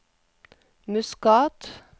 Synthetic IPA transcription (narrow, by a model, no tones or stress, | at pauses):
mʉskɑːt̪